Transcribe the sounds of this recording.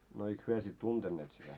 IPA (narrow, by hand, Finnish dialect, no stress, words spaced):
no eik hyø sit tuntenːeːt sitæ